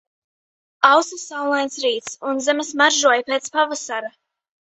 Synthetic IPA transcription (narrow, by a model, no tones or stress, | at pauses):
awsasawlˠajnsɾiːt̪sunzɛmasmaɾʒuɔjpet̪spavasaɾa